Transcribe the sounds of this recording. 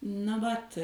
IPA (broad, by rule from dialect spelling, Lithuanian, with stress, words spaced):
nɐ ˈʋɐt